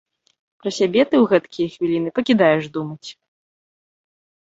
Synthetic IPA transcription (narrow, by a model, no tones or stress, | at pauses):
pɾɐsʲabʲɛt̪ɨwɣɛt̪kʲijɛxvʲilʲinɨpɐkʲid̪ajɛʂd̪umɐt͡sʲ